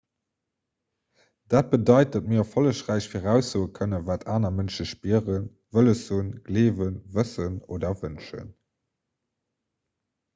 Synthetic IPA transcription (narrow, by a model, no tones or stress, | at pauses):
d̥aːt̚b̥ədɑɪt̚d̥at̚miːɐɑfɔləʃʁæˑɪɕfiːʁæʊszoːəkʰənəvaːtʰaːnɐmənʃəʃpiəʁən | vələsunɡ̥leːvənvəsənoːdɐvənʃə̰n